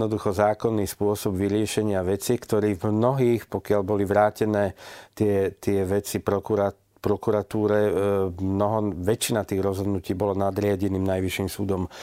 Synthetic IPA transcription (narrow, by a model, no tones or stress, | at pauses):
nɔd̪uxɔzaːkɔnːiːspʊɔsɔbʋiɾɪɛʃɛɲɪaʋɛt͡sikt̪ɔɾiːvmnɔɦiːxpɔkɪaʎbɔliʋɾaːcɛnɛːt̪ɪɛt̪ɪɛʋɛt͡sipɾɔkuɾa | pɾɔkuɾat̪uːɾɛmnɔɦɔʋɛt͡ʃinat̪iːɣɾɔzɦɔd̪nuciːbɔlanad̪ɾɪaɟɛniːmnajʋiʃiːmsuːd̪ɔm